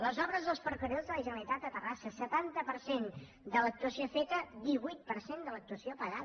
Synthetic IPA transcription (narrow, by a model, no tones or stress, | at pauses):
ləzɔβɾəzðəlˠspəɾkəɾozðələʒənəlit̪ad̪̚d̪ət̪ərasəsət̪ant̪əpəɾsen | d̪ələk̚t̪uəsiofet̪əd̪iβujt̪̚pəɾsend̪ələk̚t̪uəsiopəɣað